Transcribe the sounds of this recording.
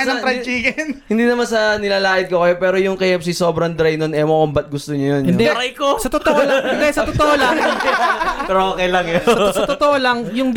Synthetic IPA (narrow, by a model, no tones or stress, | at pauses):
ɐɾɐt͡ʃiːɡɐnhɪnd̪iːnɐmansɐnɪlaːlaːʔɪd̪̚kokɐjo̞pɛːɾojʊŋkejɛpsiso̞ːbɾɐŋd̪ɾajnonɛmɐkʊmbɐt̪̚ɡʊst̪oɲojonɪnd̪ɛɾɐjkosɐt̪ot̪oʔolɪnd̪ɛsɐt̪ot̪oʔolɐŋ | pɛɾʔoːkɛjlɐŋjoɐsɐt̪ot̪oʔolɐŋjʊŋd̪